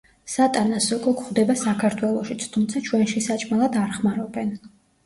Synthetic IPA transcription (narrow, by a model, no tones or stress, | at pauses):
sat̪ʼanasɔkʼɔkʰχd̪ɛbasakʰaɾt̪ʰwɛlˠɔʃit̪sʰt̪ʰumt̪sʰat͡ʃʰwɛnʃisat͡ʃʼmalˠad̪aɾχmaɾɔbɛn